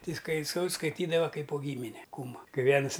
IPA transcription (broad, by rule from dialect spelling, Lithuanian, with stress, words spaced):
ˈtɐɪ skɐɪ sɐʊ skɐɪˈtʲiːdɐʋɐ ˈkɐɪp poː ˈɡʲiːmʲɪnʲɛ ˈkuːmʊ ˈkɐɪ ˈʋʲiɛnʊs